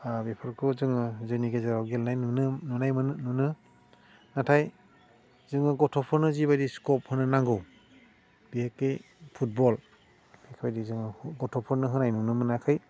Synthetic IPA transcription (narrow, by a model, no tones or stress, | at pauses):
abepʰɯɾkʰuzɯŋɯzɯniɡezaɾawɡelnajnunɯnunajmɯnnunɯ | natʰaj | zɯŋɯɡɔtʰɔpʰɔɾnɯziβajdiskɔp̚hɯnɯnaŋɡɯw | b̥ihekːɯj | pʰut̚bɔl | bikʰbajdizɯŋɯɡɔtʰɔpʰɔɾnɯɦɯnajnunɯmɯnakʰɯj